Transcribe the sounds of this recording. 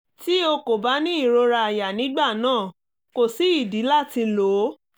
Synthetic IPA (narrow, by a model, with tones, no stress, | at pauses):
ti˦o˧ko˨ba˨˦nĩ˦i˦˨ɾo˧ɾa˧a˨ja˨nĩ˨˦ɡ͡ba˦˨nãː˦˨ | ko˨si˨˦i˦˨di˨˦la˦˨ti˧lo˨˦